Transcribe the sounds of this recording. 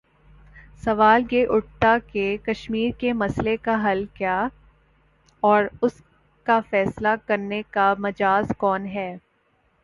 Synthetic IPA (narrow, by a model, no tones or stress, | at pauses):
sɐʋaːljeʔʊʈ̚t̪akekɐʃmiːɾkemɐslekaɦɐlkjaː | ɔːɾʊs | kafɛːslakɐɾnekamɐd͡ʒaːzkɔːnɦɛː